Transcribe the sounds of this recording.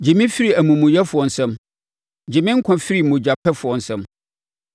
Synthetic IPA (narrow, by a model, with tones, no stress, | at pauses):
d͡ʑɪ˨mɪ̃˦fi˦ɾi˨æ˨mũ˨mʊ̃˨jɛ˦fʊ˨ɔ˨n̩˨sɛ̃˦m | d͡ʑɪ˨mɪ̃˦ŋ̩˦kʷʰã˨fi˦ɾi˨mʊ̃˨d͡ʑᶣa˨pʰɛ˦fʊ˨ɔ˨n̩˨sɛ̃˦m